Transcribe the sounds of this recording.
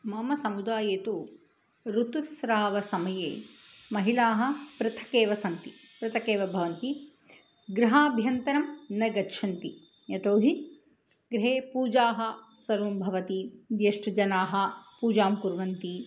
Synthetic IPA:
mɐmɐsɐmud̪aːjeːt̪u | ɾut̪usɾaːʋɐsɐmɐjeːmɐɦilaːɦɐ̆pɾɐt̪ʰɐ̥keːʋɐsɐnt̪ipɾɐt̪ʰɐkeːʋɐbʱɐʋɐnt̪i | ɡɾɐɦaːbʱjɐnt̪ɐɾɐmnɐɡɐtːʃʰɐnt̪i | jɐt̪oːɦi | ɡɾɦeːpuːd͡ʒaːɦɐ | sɐɾumbʱɐʋɐt̪id̪jeːʂʈɐd͡ʒɐnaːɦɐ̆puːd͡ʒaːmkuɾʋɐnt̪i

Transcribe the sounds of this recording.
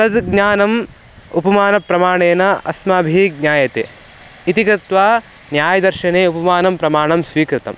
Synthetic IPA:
ɐd̪ɡɲaːnɐm | upɐmaːnɐpɾɐmaːɳeːnɐɐ̰smaːbʱiɡɲaːjɐt̪ḛː | it̪ikɐt̪ʋaː | njaːjɐd̪ɐɾʃɐneːupɐmaːnɐmpɾɐmaːɳɐmsʋiːkɾɪt̪ɐ̰m

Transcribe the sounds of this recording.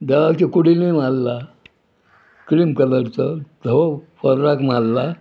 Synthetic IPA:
d̪aʋakikuɽilimalːa | kɾimkələɾt͡səd̪ʱəʋopəɾɾakmalːa

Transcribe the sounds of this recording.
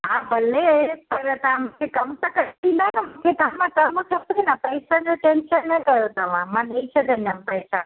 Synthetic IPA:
ɦãbʱəlepəɾt̪amkekəmt̪əkəʈĩd̪anmket̪amãk̪əmũsʰəpɾinapəjsad͡ʒoʈenʃənːəkəjot̪əmãmãnəĩt͡ʃʰɛt̪ənjampəjsa

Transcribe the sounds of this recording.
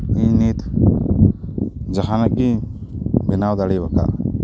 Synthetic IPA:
ĩnit̪ | d͡ʒəɦanəkːi | bɪnaːwd̪aɽibəka̰

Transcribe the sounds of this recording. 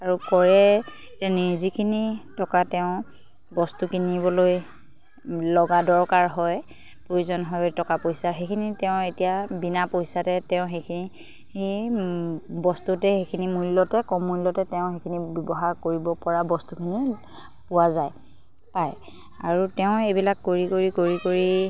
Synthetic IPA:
aɹukɔɹɛ | etanizikʰinitɔkatɛʊ̃ | bɔstukinibɔloj | lɔɡadɔɹkaɹɦɔj | pɹojuzɔnɦɔjtɔkapojsaɦejkʰinitɛʊ̃etijabinapojsatɛtɛʊ̃xejkʰini | i | bɔstutɛxekʰinimulːɔtɛkɔmːulːɔtɛtɛʊ̃xekʰinibɔbɔɦaɹkoɹibɔpɔɹabɔstukʰini | pʊwazaj | paj | aɹutɛʊ̃ebilakːoɹikoɹikoɹikoɹi

